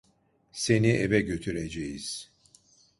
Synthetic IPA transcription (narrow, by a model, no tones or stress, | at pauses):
se̞niʔevɛɟø̞t̪ʰyɾed͡ʒejiz̥